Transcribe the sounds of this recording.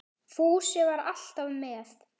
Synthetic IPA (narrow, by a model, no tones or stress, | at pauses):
fuːsjɛvaɾal̥t̪avmɛːjast̪